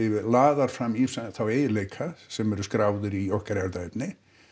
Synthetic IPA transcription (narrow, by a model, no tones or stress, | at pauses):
ɪlaːðaɾ̥fɾamːisaθaweːjɪleːjkʰasɛmɛɾʏskɾaːwðʏɾiɔhkaɾɛɾt̪aɛpnɪ